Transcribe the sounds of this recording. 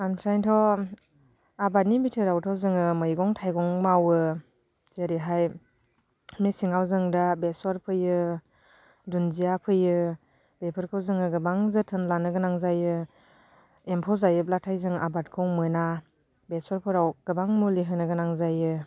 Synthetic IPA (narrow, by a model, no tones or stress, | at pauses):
anpʰɾajntʰɔ | abat̚nibitʰɯɾawtʰɔzɯŋɯmɯjɡɔŋtʰajɡɔŋmawɯ | z̥eɾiɦaj | mesiŋawzɯŋdabeswɔɾpʰɯjɯ | dunzijapʰɯjɯ | bepʰɯɾkʰɯwzɯŋɯɡɯbaŋzɯtʰɯnlanɯɡɯnaŋzajɯ | empʰɔzajɯplatʰajzɯŋa̰bat̚kʰɯwmɯna | besɔɾpʰɯɾawɡ̥ɯbaŋmuliɦɯnɯɡɯnaŋzajɯ